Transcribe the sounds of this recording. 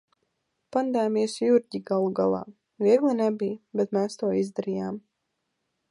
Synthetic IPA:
pand̪ajmiɛsjuɾʲɟiɡalˠuɡalˠa̰ː | viɛɡlˠinɛbʲijbɛt̪mɛːst̪uɔizd̪aɾijaːm

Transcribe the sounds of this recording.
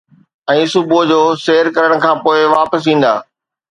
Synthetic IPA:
ɛ̃ːsʊbʱod͡ʑoːseːəɾkɐɾəɽ̃̆kʰãːpoːɪʋaːpəsĩːn̆d̪a̰ː

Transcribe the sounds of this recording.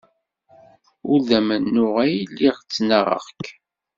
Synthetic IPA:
ʊɾðæmənːʊʁæjlːiʁt͡sːnəʁə̰ʁk

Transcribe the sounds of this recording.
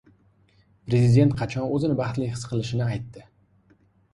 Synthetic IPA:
pɾe̞zɪd̪ʲe̞nt̪̚qʰɑt͡ʃʰɒnɵzɪnɪbɑχt̪lɪhɪ̥sqʰɨlˠɪʃɪnɪajt̪ːɪ

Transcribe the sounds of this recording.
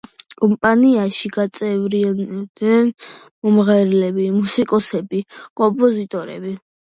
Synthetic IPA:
kʼɔmpʼaniaʃiɡ̥at̪sʼɛvɾiand̪nɛnmɔmʁɛɾlɛbimusikʼɔsɛbikʼɔmpʼɔzit̪ʼɔɾɛ̰bi

